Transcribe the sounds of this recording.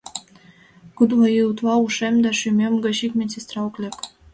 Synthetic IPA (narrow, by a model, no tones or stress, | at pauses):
kud̪vɑjit̪lɑuʃemd̪æʃymʲemɡɤ̆ɕikmʲesʲest̪rɑuklʲek